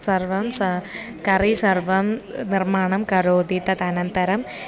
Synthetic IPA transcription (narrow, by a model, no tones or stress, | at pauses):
sɐrʋɐmsɐ | kɐrisɐrʋɐmnirmaːɳɐmkɐɾoːd̪it̪ɐt̪ɐnɐnt̪ɐɾɐm